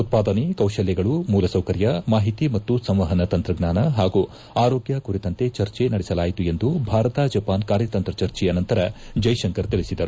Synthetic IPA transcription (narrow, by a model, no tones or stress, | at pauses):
ut̪̚paːd̪ɐnekɐwʃɐljɛɡɐɭumuːlɐsɐwkɐɾjɐmaːɦit̪imɐt̪ːusɐmʋɐɦɐnɐt̪ɐnt̪ɾɐɡnaːnɐɦaːɡu | aːɾo̞ːɡjakuɾit̪ɐnt̪e̞t͡ʃɐɾt͡ʃenɐɽɛsɐlaːjit̪ue̞nd̪ubʱaːɾɐt̪aːd͡ʒɐpaːnkaːɾjɐt̪ɐnt̪ɾɐt͡ʃɐɾt͡ʃɛjɐnɐnt̪ɐɾɐ | d͡ʒɐjʃɐŋkɐɾt̪iɭisid̪ɐɾu